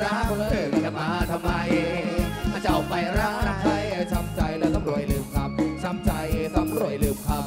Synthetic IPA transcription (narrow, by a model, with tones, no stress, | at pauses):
ɾaː˧˥kʰo˧lːɯ˨˩˧ka˧˩maː˧t̪ʰa˧mːa˧j | ʔaː˧˩t͡ɕa˧˩ʔɔ˨˧˩pa˧˩jɾaː˧˥t̪a˧mt͡ɕʰa˧˩jt͡ɕʰa˧mt͡ɕa˧jlɛː˦˥t̪ʰa˧˦mɾu˨˩əjlɯː˧˩mkʰa˦˧˥p̚t͡ɕʰa˧˥mt͡ɕa˧jʔt̪ʰa˧mɾu˨˧˩əjlɯː˧˩mkʰa˧˥p̚